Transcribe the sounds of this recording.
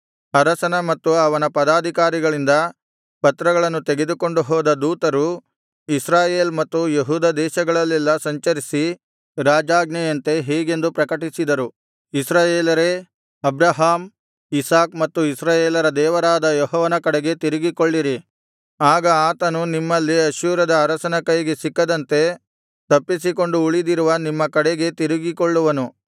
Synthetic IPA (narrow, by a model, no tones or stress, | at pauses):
ɐɾɐsɐnɐmɐt̪ːuɐʋɐnɐpɐd̪aːd̪ʱikaːɾiɡɐɭind̪ɐ | pɐt̪ɾɐɡɐɭɐnːut̪e̞ɡe̞d̪uko̞ɳɖuɦɔːd̪ɐd̪uːt̪ɐɾu | isɾaːjeːlmɐt̪ːujeɦuːd̪ɐd̪ɛːʃɐɡɐɭɐlːɛlːɐsɐɲt͡ʃɐɾisi | ɾaːd͡ʒaːɡnɐjɐnt̪e̞ɦɛːɡe̞nd̪upɾɐkɐʈisid̪ɐɾu | isɾaːjeːlɐɾe̞ | ɐbɾɐɦaːm | isaːkmɐt̪ːuisɾaːjeːlɐɾɐd̪ɛːʋɐɾaːd̪ɐjɔɦɔːʋɐnɐkɐɽeɡe̞t̪iɾiɡikoɭːiɾi | aːɡɐaːt̪ɐnunimːɐlːiɐʃuːɾɐd̪ɐːɾɐsɐnɐkɐjɡe̞sikːɐd̪ɐnt̪e̞ | t̪ɐpːisiko̞ɳɖuuɭid̪iɾuʋɐnimːɐkɐɽeɡe̞t̪iɾiɡikoɭːuʋɐnu